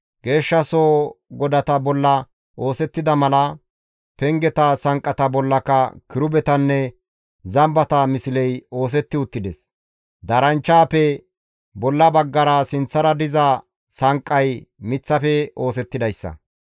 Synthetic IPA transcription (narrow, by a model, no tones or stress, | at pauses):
ɡe̞ːʃːɐsoːɡɔd̪ɐt̪ɐbɔlːɐ | ʔo̞ːsɛt̪ːɪd̪ɐmɐlɐ | pɛŋɡɛt̪ɐsɐŋkʼːɐt̪ɐbɔlːɐkɐkɪɾʊbɛt̪ɐnːɛ | zɐmbɐt̪ɐmɪsɪlɛjo̞ːs̬ɛt̪ːɪʊt̪ːɪd̪ɛs | d̪ɐɾɐnt͡ʃːaːpɛ | bɔlːɐbɐɡːɐɾɐsɪnt͡sːɐɾɐd̪ɪzɐ | sɐŋkʼːɐjmɪt͡sːɐfɛo̞ːsɛt̪ːɪd̪ɐjsːɐ̰